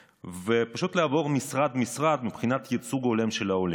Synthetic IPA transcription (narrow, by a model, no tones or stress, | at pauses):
vepaʃut̪laːvo̞ʁmisʁad̪misʁad̪mipχinat̪jet͡suɡole̞mʃe̞laole